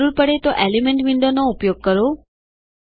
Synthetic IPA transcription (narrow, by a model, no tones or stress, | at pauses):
ɾuɾpəɽet̪oʔelimɛɳʈʋɪɳɖonoupjoɡ̚kəɾo